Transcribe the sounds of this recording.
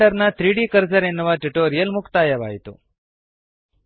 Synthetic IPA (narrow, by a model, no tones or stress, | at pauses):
ɐɾnɐt̪ɾiːɖikɐɾd͡ʒɐɾenːuʋaʈuʈoːɾijɐlmukt̪aːjɐʋaːɦit̪ṵ